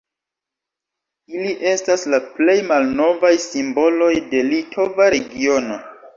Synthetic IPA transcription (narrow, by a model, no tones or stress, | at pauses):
iliʔe̞staslaple̞jmalno̞vajsimbo̞lo̞jde̞litʰo̞vaɾe̞ɡio̞no̞